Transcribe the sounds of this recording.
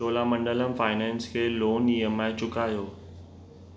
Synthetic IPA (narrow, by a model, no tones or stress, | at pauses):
oːlamə̃ɳɖələmfaːɪnɛ̃ːnskʰeːloːniːəmãːɪt͡ɕʊkaːjoː